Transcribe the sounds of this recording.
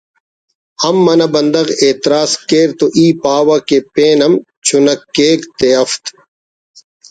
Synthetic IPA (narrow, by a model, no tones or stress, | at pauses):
ɐmːɐnɐbɐnd̪ɐɣeːt̪ɾaːskeːɾt̪oʔiːpaːwɐkepẽːnɐm | t͡ɕʰunɐkːeːkt̪eɐft̪